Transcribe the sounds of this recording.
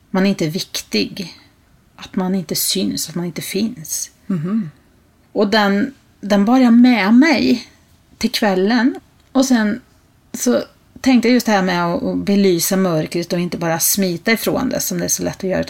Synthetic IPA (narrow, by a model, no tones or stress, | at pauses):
manæɾɪnt̪əvɪkt̪ɪɡ | ʔat̪manɪnt̪əsʏnsat̪manɪnt̪əfɪns | ɔd̪ɛn | d̪ɛnbœɾjamɛmɛj | t̪ʰɪlkʰvɛlːən | ɔsɛn | sɔ | t̪ʰɛŋkt̪əjajɵst̪d̪ɛhæːɾmɛɔʔɔbɛlyːsamœɾkɾət̪ɔɪnt̪əbɑːɾasmiːt̪aɪfɾo̰ːnd̪ɛ̰sɔmd̪ɛæʂɔlɛt̪ːɔjœ̰ːɾa